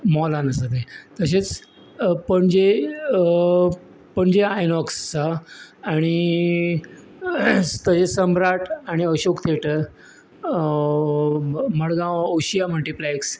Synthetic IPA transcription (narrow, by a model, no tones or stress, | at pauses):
mɔlanəsat̪et̪əɕet͡s | pəɳd͡ʑe | pəɳd͡ʑeajnɔksːaː | ɽ̃i | t̪əɕesəmbɾaʈʰaɽ̃iəɕokt̪ʰeʈəɾ | məɭɡãoɕijaməlʈiplajks